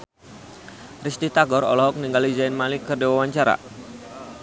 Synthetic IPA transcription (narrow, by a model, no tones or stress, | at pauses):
rist̪it̪aɡɔɾɔ̰lɔɦɔk̚niŋɡalid͡ʒaɪnmalikərdewawaɲt͡ʃaɾa̰